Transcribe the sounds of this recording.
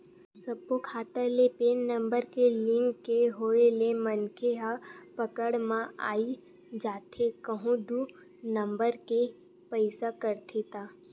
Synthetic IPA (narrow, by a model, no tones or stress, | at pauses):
sɐb̚kokʰaːt̪əlepeːnːə̃mbəɾkelɪ̃ŋkːeɦoːelemənkʰeɦapəkəɽmãʔa̰ːi | d͡ʒaːt̪ʰekəɦũd̪u | nə̃mbəɾke | pəɪsakəɾt̪ʰet̪aː